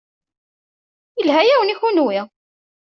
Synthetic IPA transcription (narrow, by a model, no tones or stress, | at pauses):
jəlhæjæwəniçunuwi